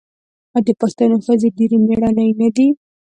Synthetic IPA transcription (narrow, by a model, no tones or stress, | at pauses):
ɑd̪əpaxt̪anoxəzeɖeɾemeɽɑnajnad̪i